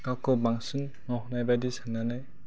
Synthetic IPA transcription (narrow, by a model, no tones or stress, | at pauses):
kawkɔbaŋsɯnːɔɦɔnajbadisanːanaj